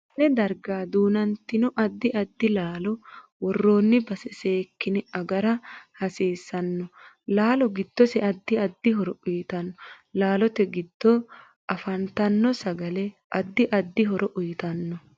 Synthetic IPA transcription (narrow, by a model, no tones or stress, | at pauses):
nɛd̪ɐɾɡaːd̪uːnɐnt̪ːɪnɔʔɐd̪ːɪʔɐd̪ːɪlaːlɔwɔrːoːnːɪbɐsɛseːkːɪnɛɐɡɐɾɐhɐsiːsɐnːɔ | laːlɔɡɪd̪̥ːɔsɛʔɐd̪ːɪɐd̪ːɪɦɔɾɔʊjɪt̪ɐnːɔ | laːlɔt̪ɛɡɪd̪̥ːɔ | ʔɐfɐnt̪ɐnːɔsɐɡɐlɛ | ʔɐd̪ːɪʔɐd̪ːɪɦɔɾɔʔʊjɪt̪ɐnːɔ